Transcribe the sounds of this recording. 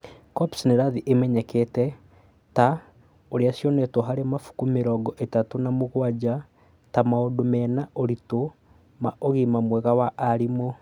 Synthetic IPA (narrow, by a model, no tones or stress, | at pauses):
kɔpsnɛɾaðiʔemɛɲɛkɛtɛ | ta | oɾeasjɔnɛtwɔɦaɾemafu̥kumeɾɔɡɔʔetatonamoɣwad͡ʑa | tamaodomɛnaoɾito | maʔoɣimamwɛɣawaʔːɾimo